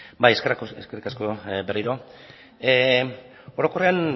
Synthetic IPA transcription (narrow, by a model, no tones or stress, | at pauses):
bajeskerkeskerikasko̞beriɾo̞ | e | o̞ɾo̞ko̞rean